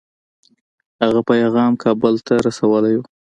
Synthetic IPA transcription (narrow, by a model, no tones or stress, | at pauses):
haɣapajɣɑmkʰɑbəlt̪aɾasawəlaju